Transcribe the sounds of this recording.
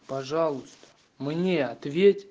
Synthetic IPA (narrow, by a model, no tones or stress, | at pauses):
paʐɑlˠʊst̪ə̥ | mnʲeɐt̪vʲetʲ